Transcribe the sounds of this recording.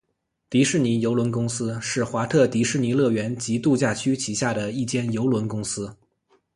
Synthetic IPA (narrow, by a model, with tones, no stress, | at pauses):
t̪i˧˥ʂɻ̩˥˩ni˧˥jo˧˥ʊlwə˧˥nkʊ˥ŋsɹ̩˥ʂɻ̩˥˩xwa˧˥t̪ʰɤ˥˩t̪i˧˥ʂɻ̩˥˩ni˧˥lɤ˥˩ɥɛ˧˥nt͡ɕi˧˥t̪u˥˧t͡ɕja˥˩t͡ɕʰy˥t͡ɕʰi˧˥ɕja˥˩d̪ə˩i˥˩t͡ɕjɛ˥˩njo˧˥ʊlwə˧˥nkʊ˥ŋsɹ̩˥